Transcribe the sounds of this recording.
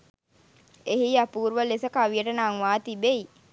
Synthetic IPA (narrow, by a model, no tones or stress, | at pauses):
eɦiapuːɾuʋəlesəkaʋijəʈənaŋʋaːt̪ibei